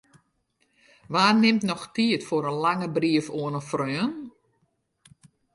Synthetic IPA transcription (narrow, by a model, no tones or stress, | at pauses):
ʋaːnɪmtnɔxtiətfoɾənlaŋəbriəfoənəfrøːən